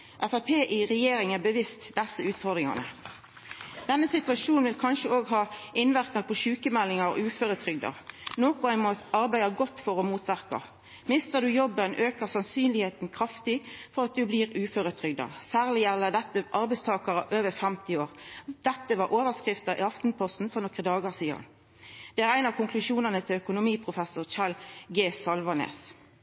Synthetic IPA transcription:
ʔɛfæpʰeːʔɪʁɛjeːɾɪŋæbəʋɪst̪d̪ɛsːəʉːt̪fɔʁd̪ʁɪŋɑ̰nə̰ | d̪̥ɛnːəsɪt̪ʉɑʃuːnnʋɪlkʰɑnʃəoːɡɦɑːɪnʋæʁkɑʁpʰɔʃʉːkəmɛlːɪŋɑʁ̰ʉːføɾət̪ʰɾʏɡd̪ɑ̰noːkʊæɪmoɑʁbæɪd̪ɑɡɔt̪ːfɔʁɔmuːt̪ʋæʁkɑ̰ | mɪst̪əʁd̪ʉjɔbːənʔøːkəʁsɑnsyːnlɪheːt̪n̩kʰɾɑft̪ɪfɔʁɑt̪̚d̪ʉbliʁʉːføɾət̪ʰɾʏɡ̚d̪ɑ̰sæːʁlɪjælːəd̪ɛt̪ːəʔɑɾbæɪst̪ʰɑːkɑɾə̰ʔøːʋəfɛmt̪ɪoːʁd̪̥ɛt̪ːəʋɑɾʔoːʋəskʁɪft̪əɾʔɪ̰ɑft̪n̩pʰɔst̪n̩fɔʁnɔkəd̪ɑːɡɑʁsiːɑ̰n | d̪̥ɛæʁæɪnɑʋkʰʊŋkʰlʉʂuːnənət̪ʰɪlœkʊnʊmiːpʰʁʊfɛsʊʁt͡ʃɑlɡeːsɑlʋɑnḛːs

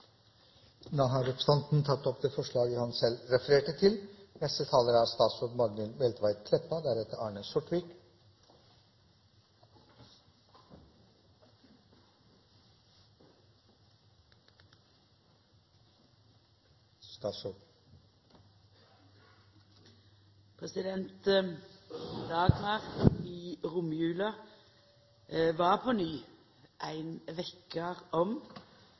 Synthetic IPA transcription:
nɑːɦɑɾɛpst̪ɑnt̪n̩t̪ʰɑt̪ːɔpd̪eːfɔʂɭɑːɡəhɑnsɛlɾɛfəɾeːʈət̪ʰɪlnɛst̪ət̪ʰɑːləɾəæːɾst̪ɑːsud̪mɑɡnɪlbɛlt̪ʰʋæɪt̪̚kʰlɛpːɑd̪æɾhɛt̪ːəɾɑːɳəsʊʈʋiːk | st̪ɑsɔ | pʰʁɛsɪd̪ɛnt̪ | d̪ɑːɡmɑʁiːʁʊmjʉːlɑ | ʋɑːʁpʰoːnyː | ʔæɪnʋɛkəʁɔm

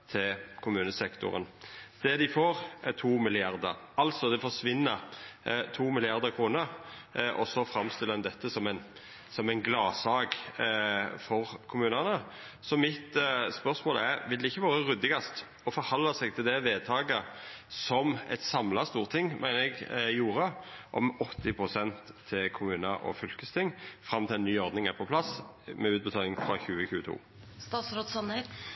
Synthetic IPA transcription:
t̪ʰɪlkʰʊmʉːnəsɛkt̪ʊ̰ɾə̰nd̪̥ɛd̪ɪfoːɾt̪ʰuːmɪlɪɑɾd̪ə̰ɾɑlt̪sɔd̪ɛfɔʂʋɪnːə | t̪ʰuːmɪlɪɑʁd̪əkʰʁuːnəɾʔɔsɔfɾɑmst̪ɪlːəɛnd̪ɛt̪ʰːəsɔmæɪn | sɔmæɪnɡlɑːsɑːɡ | fɔɾkʰʊmʉːnəʁnə | sɔmɪt̪spœɾsmoːlæɾʋɪld̪ɛɪçːəʋɑːɾəʁʉd̪ɪɡɑst̪ | ɔfɔɾhɑlːɑsɛɡt̪ʰɪld̪ɛʋeːd̪̚t̪ʰɑːɡə | sɔmɛ̰ɪt̪sɑmlɑst̪uːʁt̪ʰɪŋːmʔæɪnəɛɡjuːɾəʔɔ̰mɔt̪ːɪpʰɾʊsɛnt̪ʰːɪlkʰʊmʉːnəʔɔ̰fʏlkəst̪ʰɪŋːfɾɑmt̪ʰɪlɛnːyːɔɾd̪nɪŋæɾpʰɔpʰlɑs | mɛʉːt̪̚bət̪ʰɑːlɪŋfʁɑçʉːəçʉːət̪ʰṵː | st̪ɑːt̪sɾod̪sɑnɛ

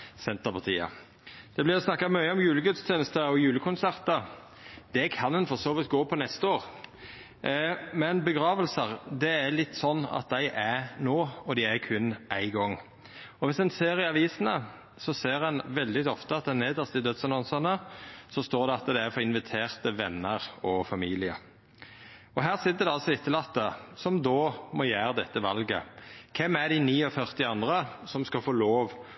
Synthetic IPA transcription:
sɛnt̪əpʰɑt̪ʰḭːɑ̰ | d̪̥ɛblɪɾɔsnɑkːɑmœʏəɔmjʉːləɡʉt̪st̪ʰjeːnəst̪əɔjʉːləkʰʊnsæɾt̪ə | d̪̥ɛkʰɑnd̪ɛnfɔsoːʋɪt̪̚ɡoːpʰɔnɛst̪əoːɾ | mɛnbəɡɾɑːʋəlsəɾd̪ɛæɾlɪt̪ːsɔnːɑ̰t̪̚d̪æɪʔæɾnoːɔd̪ɪæɾkʰʉnæɪɡɔŋː | ɔʋɪsɛnseːɾɪɑʋiːsənə | sɔseːɾɛnʋɛld̪ɪɔft̪əɑt̪̚d̪ɛneːd̪əsd̪ɪd̪œt̪sɑnɑnsənəsɔst̪oːɾd̪ɛɑt̪d̪ææɾfɔɾɪnʋɪt̪ʰeːʁt̪əʋɛnːəɾɔfɑmiːlɪə̰ | ɔɦæːʁsɪt̪ːəd̪ɛɑlsɔɪt̪ːəlɑt̪ːəsɔmd̪oːmɔjæːɾəd̪ɛt̪ːəʋɑlɡə̰kʰɛmːæɾd̪ɪniːɔfœʁt̪ɪɑnd̪ʁəsɔmskɑfoːloːʋ

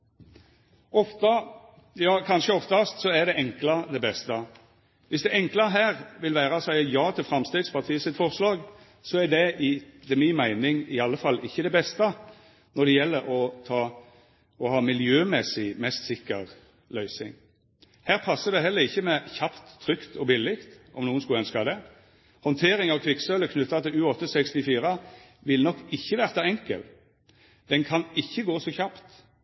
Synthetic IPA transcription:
ɔft̪ɑ | jɑːkʰɑnʃəɔft̪ɑst̪sɔɛd̪ɛɛŋklɑd̪ɛbɛst̪ə | ʋɪsd̪ɛʔɛŋklɑɦæːʁʋɪlʋæːʁɑsæɪjɑːt̪ʰɪlfʁɑmst̪eːɡ̪spɑʁt̪ʰiːəsɪt̪fɔʁslɑːɡ | sɔæd̪ɛɪd̪ɛmiːmæɪnɪŋɪɑlːəfɑlːɪçːəd̪ɛbɛst̪ə | nɔd̪ɛjɛlːəɾɔt̪ʰɑː | ɔhɑːmɪljøːmɛsɪmɛst̪sɪkːəʁ | lœʏsɪ̰ŋ | hæːʁpʰɑsːəd̪ɛɦɛlːəʁɪçːəmɛçɑpt̪ʰːʁʏkt̪ʰɔbɪlːɪkt̪ɔmnuːnskʉləœnskɑd̪ɛ | hɔnt̪ʰeːʁɪŋɑʋkʰʋɪksœləkʰnʉt̪ːɑt̪ʰɪlʉːɔt̪ːəsɛkst̪ɪfiːʁə | ʋɪlnɔkːɪçːəʋæːʁt̪ɑɛŋkə̰l | d̪̥ɛnkʰɑnɪçːəɡoːsɔçɑpt̪

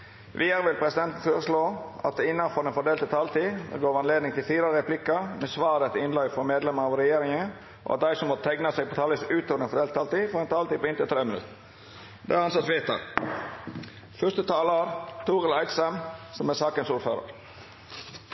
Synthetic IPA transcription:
ʋʔiːəɾʋɪlpʰɾɛsɪd̪ɛnt̪n̩føːɾəsloːɑ̰t̪̚ɛɪnːɑnfɔɾɖ̪ɛnfɔɖeːlt̪ət̪ʰɑːlt̪ḭːɡoːʋɑnleːd̪nɪŋt̪ʰɪlfiːɾɑɾɾɛpʰlɪkəmɛsʋɑːɾət̪ɪnlɑɡfɔɾmeːd̪lɛməɾɑʋɾɛjeːɾɪŋən | ʔɔ̰ʔɑt̪̚d̪æɪsɔmːɔt̪̚t̪ʰɛɡnɑsɛːɡ̚pʰot̪ʰɑːlɪsʉːt̪oːʋəɖ̪ɛnfɔɖ̪eːlət̪ɑːlt̪iːfɔdɛnt̪ʰɑːlt̪iːpoɪnt̪ɪt̪ʰɾeːmənʉ̰t̪ | d̪ɛæɾɑnsɑt̪sʋeːt̪ə̰ɾ | fœʂt̪ət̪ʰɑːləɑɾt̪ʰuːʁəlɑɪt̪səmsɔmæsɑːkənsuːɾfø̰ːɾə̰ɾ

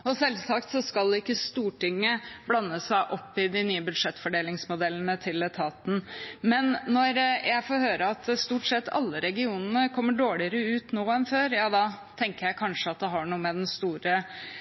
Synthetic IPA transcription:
ɔsɛlsɑkt̪sɔskɑlɪkːəst̪uːʈɪŋːəblɑnːəsæɪʔɔpːɪd̪ɪnyːəbʉd̪ʂɛt̪ːfɔɖeːlɪŋsmʊd̪ɛlənət̪ʰɪlɛt̪ʰɑːt̪n̩mɛnːɔɾjʔæɪfoːɾhøːɾəɑt̪st̪uːʈsɛt̪ːɑ̰lːəɾɛɡɪuːnənəkʰɔmːəɖoːɭɪəɾəʉːt̪noːɛnføːɾjɑːd̪ɑ | t̪ʰɛŋkəɾjæɪkʰɑnʂəɑt̪̚d̪ɛɦɑɳuːəmɛd̪ɛnst̪uːɾə

